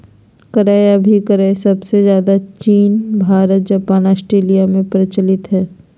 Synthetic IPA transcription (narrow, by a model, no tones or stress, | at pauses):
kɐɾaːeɐbʱikəɾaːesɐbsezjaːd̪at͡ʃiːnbʱaːɾət̪̚d͡ʒaːpaːnaːsʈɾeːlijamẽpɾɪt͡ʃəlɪt̪ɦɛː